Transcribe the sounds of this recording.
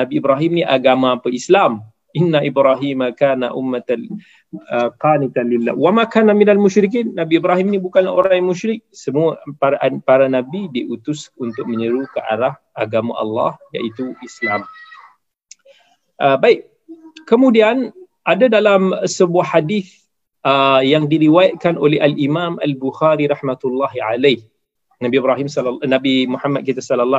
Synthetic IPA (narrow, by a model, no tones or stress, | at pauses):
nabiːbɾaɦimnĩʔaɡamaːpəislam | ʔinːaʔibɾaɦimakaːnaʔʊ̰mːat̪a | qaːnit̪anlilːa̰wamakaːnaminalmuʃɾik̬iːnːabiibɾaɦimnĩbukanla̰oɾaaŋjaŋmuʃɾɪk̚səmuapaɾapaɾanabidiʔut̪ʊsunt̪ʊk̚mə̃ɲəɾukəʔa̰ɾah | aɡamã̰ʔɑ̰lˤːɑ̰hja̰ʔit̪uʔislam | ʔəbaɪk̚ | kəmũdian | ʔadadalamsəbuahːadiθ | əjaŋdiɾiwajat̪̚kanʔolɛɦalʔimãma̰lbuxaɾiɾɑhmat̪ulːaɦiʕalah | nabibɾaɦimslnabimuħamːat̪̚kit̪asalalːɑ